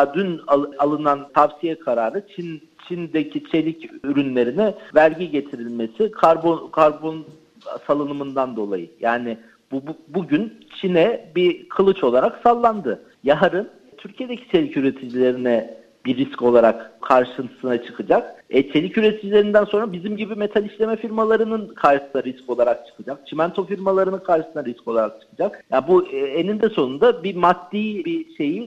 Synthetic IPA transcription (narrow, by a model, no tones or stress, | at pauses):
d̪ynaalˠɯnant̪ʰavsijɛkʰaɾaːɾɯt͡ʃʰin | t͡ʃʰind̪ecʰit͡ʃʰe̞lʲicyɾynlʲe̞ɾinɛvælʲɟiɟe̞t̪ʰiɾilʲme̞sikʰaɾbokʰaɾbo̞n | salˠɯnɯmɯnd̪and̪o̞lˠajɯjaːnɪ | bbuɟynt͡ʃʰinɛbikʰɯlˠɯt͡ʃo̞lˠaɾaksalˠːand̪ɯ | jaɦaɾɯn | t̪ʰyɾcʰije̞d̪ecʰi̥t͡ʃʰe̞lʲicyɾe̞t̪ʰid͡ʒilʲe̞ɾinɛ | b̥iɾːisco̞lˠaɾakkʰːaɾʃɯnt̪ʰɯ̥sɯnat͡ʃʰɯ̥kʰɯd͡ʒakɛt͡ʃʰe̞lʲicyɾe̞t̪ʰid͡ʒilʲeind̪ænso̞nɾabizimɟibime̞t̪ʰalʲiʃlʲe̞mɛfiɾmalˠaɾɯnɯnkʰaɾʃɯsɯnaɾisco̞lˠaɾak̚t͡ʃʰɯ̥kʰɯd͡ʒak̚t͡ʃʰimænt̪ʰo̞fiɾmalˠaɾɯnɯnkʰaɾʃɯsɯnaɾisco̞lˠaɾak̚t͡ʃʰɯ̥kʰɯd͡ʒak̚jaːnbuɛenind̪ɛso̞nund̪abimad̪̥ːiːbiʃe̞ji